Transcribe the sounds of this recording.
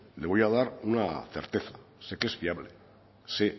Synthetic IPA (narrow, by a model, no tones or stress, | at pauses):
leβojaðaɾunaθe̞̰ɾt̪e̞θḁ | se̞kezfiaβle̞ | se̞